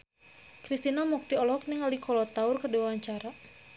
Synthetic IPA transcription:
kɾist̪inamuk̚t̪iɔlɔk̚nɪŋalikɔlɔt̪aʊrkədiwawaɲt͡ʃaɾa

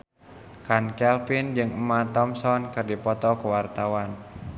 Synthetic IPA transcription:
kankɛlfind͡ʒɨŋəmːat̪ɔmsɔnkɨrdipɔt̪ɔkuwart̪awan

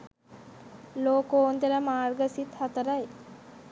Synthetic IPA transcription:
loːkoːnt̪eləmaːrɡəsit̪hat̪əɾaj

